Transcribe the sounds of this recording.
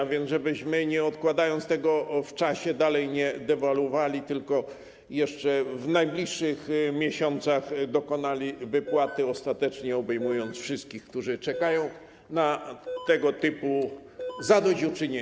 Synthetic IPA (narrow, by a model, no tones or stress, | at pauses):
vʲjɛnzʐɛbɘɕmɘɲɛɔt̪kwad̪ajɔnt̪st̪ɛɡɔft͡ʂaɕɛd̪alɛjɲɛd̪ɛvalwɔvalʲit̪ɘlkɔ | jɛʂt͡ʂɛvnajblʲiʂːɘxmʲjɛɕɔnt̪saxd̪ɔkɔnalʲivɘpwat̪ɘɔst̪at̪ɛt͡ʂɲɛɔbɛjmujɔnt̪sfʂɘst̪̚kʲixk̚t̪uʐɘt͡ʂɛkajɔ̃w̃ | nat̪ɛɡɔt̪ɘpuzad̪ɔd͡ʑut͡ʂɘɲe